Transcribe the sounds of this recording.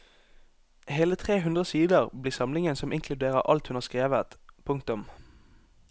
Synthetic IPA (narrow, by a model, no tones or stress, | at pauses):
heːlət̪ʰʁeːɦʉnd̪ʁəsiːd̪əʁbliːʁsɑmlɪŋənsɔmʔɪŋkʰlʉd̪eːʁəʁʔɑ̰lt̪hʉnhɑʁskʁeːʋət̪pʰʊŋkt̪ʊm